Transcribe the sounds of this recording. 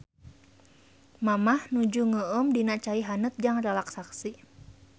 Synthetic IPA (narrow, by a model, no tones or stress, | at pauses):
mamahnud͡ʒuŋəəmdinat͡ʃaiɦanət̪̚d͡ʒaŋrɛlaksaksi